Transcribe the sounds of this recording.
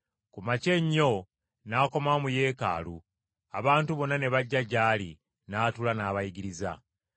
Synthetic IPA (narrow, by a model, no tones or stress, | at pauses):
kumace̞ɲːo̞ | naːko̞mamuje̞ːka̰ːlṵ | aβaːntuβo̞nːane̞βaɟːaɟaːli | naːtulanaːβajiɡiɾiza̰